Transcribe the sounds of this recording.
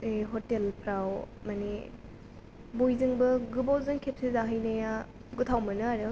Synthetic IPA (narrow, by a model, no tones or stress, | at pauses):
eɦotelpʰɾawmane | bojzɯŋbɐɡɯbawzɯŋkʰep̚sizaɦɯjnɐja | ɡutʰawmɐnɯaɾɯ